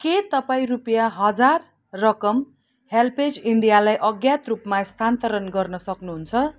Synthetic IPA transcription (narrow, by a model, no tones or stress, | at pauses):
ket̪ʌpaĩrupjaɦʌd͡zarː | ʌkʌm | helpʰed͡ziɳɖijalajʔʌɡjat̪rupmast̪ʰant̪ʌɾʌnɡʌrnʌsʌknuɦunt͡sʰʌ